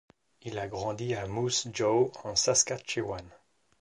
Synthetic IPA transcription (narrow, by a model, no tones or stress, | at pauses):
ilaɡʁɑ̃d̪iamusd͡ʒoɑ̃saskat͡ʃewan